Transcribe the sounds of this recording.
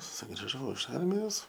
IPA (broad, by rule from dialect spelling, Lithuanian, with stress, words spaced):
sʊɡrʲɪˈʒɐʊ ɪʃ ˈɐrʲmʲɪjoːs